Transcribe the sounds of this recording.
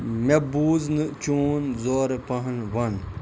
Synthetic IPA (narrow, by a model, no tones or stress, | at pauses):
mebuːznɨt͡ʃuːnzoːɾpɐɦɐnʋɐn